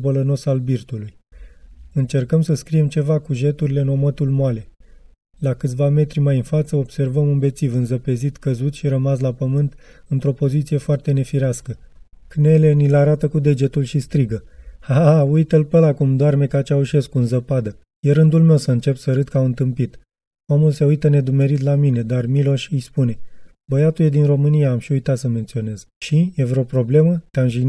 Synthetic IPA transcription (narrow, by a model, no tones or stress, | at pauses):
bələno̞salbirt̪uluj | ɨnt͡ʃe̞rkəmsəskɾije̞mt͡ʃe̞vakuʒe̞t̪uɾile̞no̞mət̪ulmoale̞ | lakɨt̪sʲvame̞t̪ɾimajɨnfat̪səo̞b̥se̞rvəmunbe̞t̪sivɨnzəpe̞zit̪kəzut̪ʃiɾəmaslapəmɨnt̪ɨnt̪ɾo̞po̞zit̪sije̞foart̪e̞ne̞fiɾeaskə | kne̞le̞nilaɾat̪əkud̪e̞d͡ʒe̞t̪ulʃist̪ɾiɡəhaujt̪əlpəlakumd̪oarme̞kat͡ʃauʃe̞skuɨnzəpad̪ə | je̞ɾɨnd̪ulme̞wsəɨnt͡ʃe̞psəɾɨt̪kamɨnt̪ɨmpit̪ | omulse̞ujt̪əne̞d̪ume̞ɾit̪̬lamine̞d̪armilo̞ʃʲɨjspune̞ | bəjat̪uje̞d̪inro̞mɨnijaːmʃiujt̪at̪səme̞nt̪sio̞ne̞z | ʃijevɾeopɾo̞ble̞mət̪eamʒi